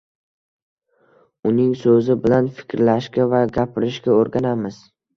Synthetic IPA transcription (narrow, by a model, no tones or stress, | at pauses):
ʊnɪŋsɵzɪbɪlanfɪ̥kʲɾlaʃɡʲavaɡʲapʰɪɾɪʃɡʲaoɾɡʲanamɪz̥